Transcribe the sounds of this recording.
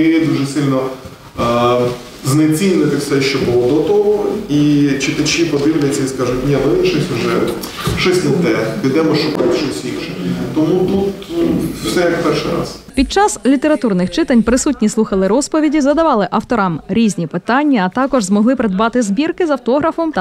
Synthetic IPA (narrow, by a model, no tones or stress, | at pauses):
ejɛd̪uʒɛsɪlʲnɔ | znet͡sʲinʲnɪt̪ɪwsɛʃt͡ʃɔbʊlˠɔd̪ɔt̪ɔɦɔit͡ʃɪt̪ɐt͡ʃipɔd̪ɪwlʲɐt͡sʲːɐiskɑʒʊtʲnʲɛʋɪɪnʃɔsʲʊʒɛ | ʃɔsʲnʲɪt̪ɛpʲid̪ɛmɔʃɔkɔʃɔsʲikʃɛt̪ɔmut̪ut̪ | sɛjɐkpɛrʃɪɾɑ̰spʲid̪̚t͡ʃɑslʲit̪eɾɐt̪urnɪxt͡ʃɪt̪ɐnʲpɾɪsutʲnʲislˠuxɐlˠɪɾɔspɔʋʲidʲizɐd̪ɐʋɑlˠɪʔɐwt̪ɔɾɑmɾʲizʲnʲipɪt̪ɑnʲːɐːt̪ɑkɔʒzmɔɦlˠɪpɾed̪bɑt̪ɪzbʲirkɪzɐwt̪ɔɦɾɐfɔmt̪